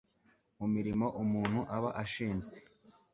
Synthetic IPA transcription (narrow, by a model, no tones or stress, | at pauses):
mumiɾimo̞ʔumuːn̥huʔaβaʔaʃiːnzɡwe̞